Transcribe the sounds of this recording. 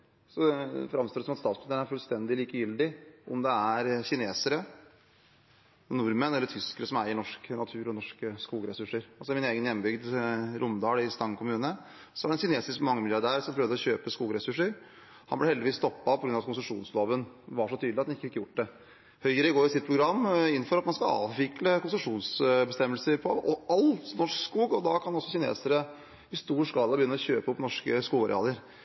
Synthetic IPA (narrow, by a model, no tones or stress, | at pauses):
sɔfɾɑmst̪oːd̪əsɔmɑt̪st̪ɑːt̪smnsənæɾfʉlst̪ɛnd̪ɪliːkəjʏld̪ɪʔɔ̰md̪ɛæɾçɪneːsəɾə | nʊɾmənɛlːəʈʰʏskəɾəsɔmæɾɪnɔʂknɑt̪ʰʉːɾɔnɔʂkəskuːɡəɾɛsʉʂəɾɑlsɔɪmɪneːɡənjɛmːbʏɡd̪ɾʊmd̪ɑːlɪst̪ɑŋkʰʊmʉːnə | sɔæɖɛnçɪneːsɪskmɑŋːəmɪljɑɖæːɾsɔmpʰɾœəʋd̪əɔɕøːpəskuːɡɾɛsʉʂːəɾ | hɑnblɛhɛld̪ɪʋiːst̪ɔpːɑpʰɔɡɾʉnɑt̪kʊnsəʂuːnsloːʋən | ʋɑʂɔt̪ʰyːd̪lɑt̪ɛnɪkːəfɪkːəjʊʈ̚ːd̪ɛ | hœʏəɾəɪɡoːɾɪsɪt̪̚pʰɾʊɡɾɑmːɪnːfɔɾɑt̪mɑnskɑɑ̰ːʋʋɪkləkʊnsʉʂuːnsbɛst̪ɛmːəlsəɾpʰɔɔɑlnɔʂkskuːɡɔd̪ɑkʰɑnɔsːɔɕɪnḛːsəɾə | ɪst̪uːʂkɑːlɑbəjʏnːəɾɔɕøːpəʊpnɔʂkəskuːɡɑɾɛ̰ɑ̰ːləɾ